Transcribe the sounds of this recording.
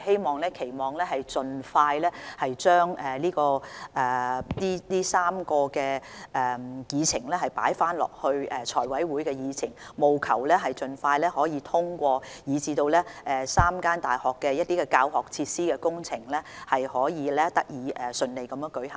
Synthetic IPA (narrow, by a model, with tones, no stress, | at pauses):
he˥jmɔː˨˩ŋlɛː˥kʰe˨˩jmɔː˨˩ŋlɛː˥hɐ˨jt͡sɵ˨nfaː˧jlɛː˥hɐ˨jt͡ʃœː˥ŋɛː˨˩liː˥kɔː˧ʔɛː˨˩t̪iː˥t̪iː˥saː˥mkɔː˧kɛː˧ʔɛː˨˩jiː˨˧t͡sʰɪ˨˩ŋlɛː˥ɦɐ˨˩jpa̰ː˨˥jfaː˥nlɔ̰ː˨k̚hɵ˧ɥɛː˨˩t͡ʃʰɔː˨˩jwɐ˨˥jwuː˨˥jkɛː˧jiː˨˧t͡sʰɪ˨˩ŋmo˨wkʰɐ̰˨˩wlɛː˥ɦɐ˨jt͡sɵ˨nfaː˧jlɛː˥hɔː˨˥jiː˨˧t̪ʰʊ˥ŋkʷɔː˧jiː˨˧t͡siː˧t̪o˧wlɛː˥ɛː˨saː˥mkaː˥nt̪aː˨˩jhɔː˨kːɛː˧jɐ˥t̚t̪iː˥kɛː˧kaː˧whɔː˨k̚t͡sʰiː˧t̚siː˥kɛː˧kʊ˥ŋt͡sʰɪ˨˩ŋlɛː˥hɐ˨jhɔː˨˥jiː˨˧lɛː˥t̪ɐ˥k̚jiː˨˧ʔɛː˨˩sɵ˨˧nle˨jkɐ˨˦mjːŋkɵ˨˥ɥhɐ˨˩